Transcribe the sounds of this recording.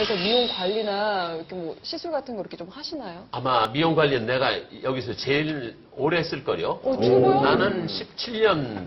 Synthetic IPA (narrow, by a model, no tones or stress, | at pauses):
ikʰʌmijoŋkwaʎːinaikʰemwʌɕʰisʰuɭɡatʰɯnɡʌɾkʰet͡ɕomhaɕʰinajoamamijoŋɡwaʎːinɯnːe̞ɡajʌɡisʰʌt͡ɕe̞iɾ | oɾeɦes͈ɯɭk͈ʌɾḭjot͡ɕonanɯnɕʰip̚t͡ɕʰiʎːʌn